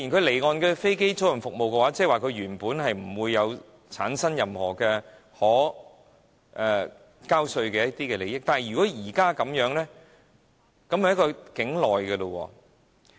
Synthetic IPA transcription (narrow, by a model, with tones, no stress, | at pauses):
iː˨˩nkʰɵ˨˧ɥle˨˩jŋɔː˨nkɛː˧fe˥jke˥jt͡so˨˥wjɐ˨˩ŋfʊ˨k̚mo˨wkɛː˧waː˨˦˥t͡sɛː˥˨waː˨kʰɵ˨˧ɥɥyː˨˩npuː˨˥nɦɐ˨jm̩˨˩wuː˨˧jːɐ˨˧w | t͡sʰaː˨˥nsɐ˥njɐ˨mhɔː˨˩kɛː˧ | hɔː˨˥ | ʔɛː˨˧ | kaː˥wsɵ˧ɥkɛː˧jɐ˥t̚t̪iː˥kɛː˧le˨jɪ˥k̚t̪aː˨n˨jɥy˨kɔː˨˥jiː˨˩kaː˥kɐ˨˥mjœː˨˥ŋlɛː˥ | kɐ˨˥mhɐ˨jɐ˥kɔː˧kɪ˨˥ŋlɔː˨jkɐ˧lo˧wɔ̰ː˧